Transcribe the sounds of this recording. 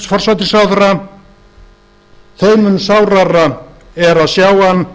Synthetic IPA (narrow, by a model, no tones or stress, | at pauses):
fɔr̥sajt̪ɪ̥sawθɾa | θeːjmʏnsawrara | ɛɾaðsjaːwan